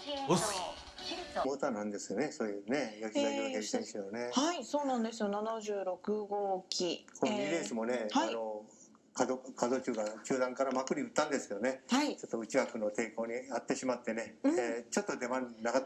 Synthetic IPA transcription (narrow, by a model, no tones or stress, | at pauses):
moːt̪anãnd̪e̞sɨjone̞soːjɯnejokʲiɡaɕioɡẽsẽsijone̞haiso̞ːnãnd̪e̞sɨjonanaʑɨːɾo̞kɯ̟ɡoːkʲikʰonɲid̪eːsɨmo̞ne̞haano̞ | kad̪okad̪o̞ːt͡ɕɨːɡat͡ɕɨːd̪ãŋkaɾamakɯ̟ɾʲiɯt̪ːãnd̪e̞sɨ̥joone̞hait͡ɕo̞t̪ːo̞ɯ̟t͡ɕiɡakɯ̟no̞t̪e̞ːko̞ːɲ̟iat̪ːe̞ɕimat̪ːe̞ne̞t͡ɕo̞t̪ːo̞d̪e̞manaka